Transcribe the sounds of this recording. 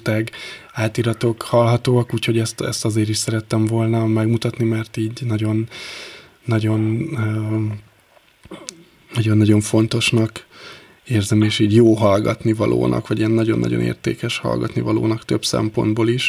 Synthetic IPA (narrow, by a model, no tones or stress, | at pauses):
t̪ɛɡaːt̪iɾɒt̪o̞khɒlɦɒt̪oːɒkuːcho̞ɟɛst̪ɛ̰st̪ɒzeːɾiʃsɛɾɛt̪ːɛɱvo̞lnɒmɛɡmut̪ɒt̪nimɛrt̪iːɟnɒɟo̞nː | ɒɟo̞nː | nːɒɟo̞nːɒɟo̞ɱfo̞nt̪o̞ʃnɒk | eːrzɛmeːʃiːɟjoːɦɒlɡɒt̪nivɒlʔo̰ːnʔɒ̰kʋɒɟiɛnːɒɟo̞nːɒ̰ɟo̞̰nḛːrt̪ḛːkɛʃhɒ̰lɡɒ̰t̪nivɒlo̰ːnɒkt̪ø̞bsɛ̰mpo̞̰nd̪boːliʃ